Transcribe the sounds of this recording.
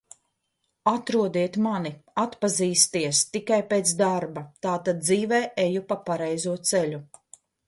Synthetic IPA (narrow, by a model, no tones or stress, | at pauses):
at̪ɾuɔd̪iɛt̪maniat̪paziːst̪iɛst̪ikajpeːt̪sd̪aɾbat̪aːt̪ad̪̚d̪ziːvɛːʔejupapaɾɛjzuɔt̪sɛlʲu